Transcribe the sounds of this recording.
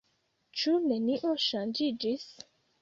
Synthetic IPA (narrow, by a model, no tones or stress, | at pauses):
t͡ʃuneniʔoʃand͡ʒid͡ʒis